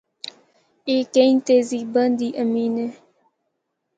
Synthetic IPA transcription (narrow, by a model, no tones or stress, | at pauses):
eːkent̪eziːbənd̪iːʔɐmiːne